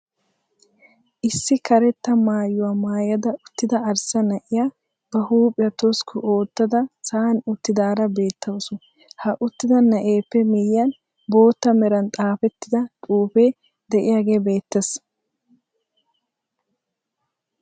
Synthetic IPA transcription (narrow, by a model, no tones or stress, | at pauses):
ʔɪsːɪkɐɾɛt̪ːɐmaːjʊwamaːjɐd̪ɐʔʊt̪ːɪd̪ɐɐɾsɐnɐʔɪjaː | b̥ɐhuːpʼɪjɐt̪ɔskʰʊʔo̞ːt̪ːɐd̪ɐsaːnʊt̪ːɪd̪aːɾɐbe̞ːt̪ːɐwɔsɔ | hɐʔʊt̪ːɪd̪ɐnɐʔe̞ːpːɛmɪjɪjɐn | bo̞ːt̪ːɐmɛɾɐnt̪ʼaːfɛt̪ːɪd̪ɐt̪ʼuːfe̞ː | d̪ɛʔɪjaːɡe̞ːbe̞ːt̪ːes